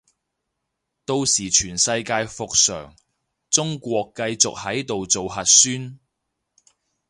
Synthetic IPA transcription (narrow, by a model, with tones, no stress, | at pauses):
t̪o˧wsiː˨˩t͡ʃʰyː˨˩nsɐ˧jkaː˧jfʊ˨k̚sœ̰ː˨˩ŋ | t͡sʊ˥ŋkʷɔː˧kːɐ˧jt͡sʊ̰˨k̚hɐ˨˥jt̪o˨wt͡so˨whɐ˨t̚syː˥n